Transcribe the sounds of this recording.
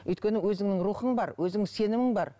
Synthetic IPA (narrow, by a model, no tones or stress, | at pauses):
ɵjt̪kʲe̞nɪwɵzɪŋnɪŋɾuχəɴbɑɾwɵzɪŋse̞nɪmɪŋbɑɾ